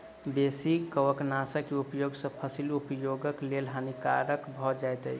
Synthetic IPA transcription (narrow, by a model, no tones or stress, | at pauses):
besikəwəknasəkeupjoɡsə̃pʰəsilupjoɡəklelɦanika̰ɾəkbʱɔd͡ʒajt̪ə̰i